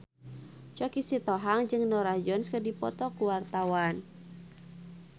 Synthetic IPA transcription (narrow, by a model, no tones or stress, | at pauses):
t͡ʃɔkisit̪ɔɦaŋd͡ʒɨŋnɔɾahd͡ʒɔnskərdipɔt̪ɔkuwart̪awan